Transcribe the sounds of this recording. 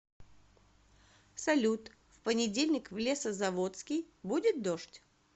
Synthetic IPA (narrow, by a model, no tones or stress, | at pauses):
sɐlʲut̪ | fpənʲɪdʲelʲnʲɪkvlʲe̞səzɐvot̪skʲɪj | budʲɪt̪̚d̪oʂtʲ